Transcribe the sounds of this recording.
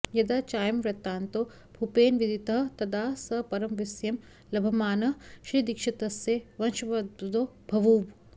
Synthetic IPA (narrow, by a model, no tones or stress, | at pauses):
jɐd̪ɐt͡ʃaːjɐmʋɾɐt̪ːaːnt̪o | bʱupeːnʋid̪ʱit̪ɐɦɐt̪ɐd̪aːsɐpɐɾɐmʋisjɐm | lɐbʱɐmaːnɐʃɾiːd̪ikʂɐt̪ɐseʋɐnʃɐʋɐd̪̚d̪o | bʱɐʋuːʋ